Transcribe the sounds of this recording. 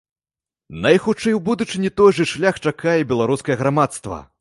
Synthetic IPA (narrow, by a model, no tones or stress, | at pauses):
nɐjxut͡ʂɛjwbud̪ut͡ʂɨnʲit̪ɔjʐɨʂlʲaxt͡ʂakʰajɛbʲɛlˠaɾuskɐjɐɣɾamat̪st̪vɐ̰